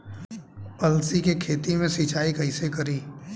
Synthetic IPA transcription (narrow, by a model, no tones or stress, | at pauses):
pɐlsikekʰeːt̪imẽsit͡ʃaːikɐɪsekɐɾiː